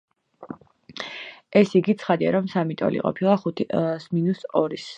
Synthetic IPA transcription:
ɛsiɡit̪sʰχad̪ia̰ɾɔmsamit̪ʼɔ̰lḭqʼɔ̰pʰilˠaχut̪ʰsminusɔɾis

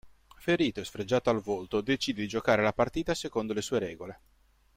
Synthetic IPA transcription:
feɾiːt̪oɛsfɾed͡ʒːaːt̪oalvolt̪od̪et͡ʃiːd̪ed̪id͡ʒokaːɾelapart̪iːt̪asekond̪olesuːeɾɛːɡole

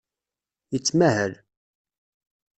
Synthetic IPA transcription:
jət͡sːmæhəl

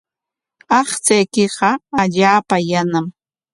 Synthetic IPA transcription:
ɑχt͡sajkɪɢɑaʎaːpajanam

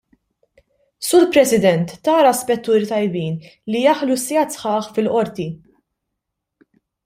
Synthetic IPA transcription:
suːɾpɾɛsɪd̪ɛnt̪ːɐːɾɐspɛt̪ːuːɾit̪ɐjbiːnlijɐħlusːɛɐt̪sħɐːħfɪlʔɔɾt̪i

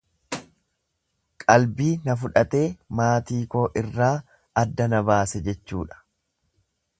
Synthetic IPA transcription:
kʼɐlbiːnɐfʊᶑɐt̪e̞ːmaːt̪iːko̞ːʔɪrːaː | ɐd̪ːɐnɐbaːsɛd͡ʒɛt͡ʃːṵːᶑɐ̥

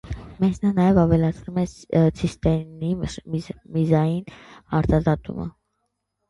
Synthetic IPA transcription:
mɛznɑnɑjɛvɑvɛlɑt͡sʰnumɛt͡sʰist̪ɛni | mizɑjinɑɾt̪ɑzɑt̪ṵmə̰

